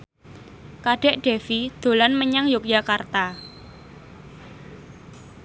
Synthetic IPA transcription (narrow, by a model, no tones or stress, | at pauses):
kaɖ̥ɛ̤ʔɖ̥e̤fid̪̥o̤lanməɲaŋjʊk̚jakart̪a